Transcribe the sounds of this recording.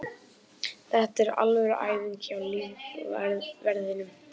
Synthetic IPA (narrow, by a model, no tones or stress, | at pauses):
θɛht̪ɛɾa̰lvɛɾʔa̰ːjviɲcɪawliːv | vɛɾðɪnʏm